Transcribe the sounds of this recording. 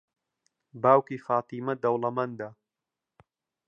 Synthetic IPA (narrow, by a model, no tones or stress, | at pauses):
baːwkiːfaːt̪iːmɐd̪ɐwlɐmɐnd̪a